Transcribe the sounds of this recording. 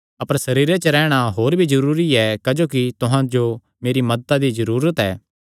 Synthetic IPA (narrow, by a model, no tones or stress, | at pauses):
ɐpəɾsɐɾiːɾet͡ʃəɾɛːɽ̃aɦoːɾbʱizɐɾuːɾiɛkad͡ʒoːkit̪ʊɦãd͡ʒo | meːɾimɐd̪ət̪ad̪izɐɾuːɾət̪ɛː